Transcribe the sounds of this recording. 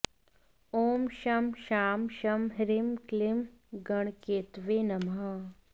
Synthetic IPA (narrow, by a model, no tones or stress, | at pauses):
oːmʃɐmʃaːmʃɐmɦɾɪmklɪmɡɐɳ̃keːt̪ʋeːnɐmɦaː